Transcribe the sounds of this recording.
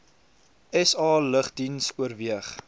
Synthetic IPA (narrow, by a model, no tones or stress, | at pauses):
ɛsɑːləχdinsuərviəχ